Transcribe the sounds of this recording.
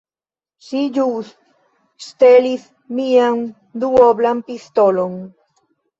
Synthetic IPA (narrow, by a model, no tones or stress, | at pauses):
siʎus | st̪elis | mian | d̪uoβlampist̪olon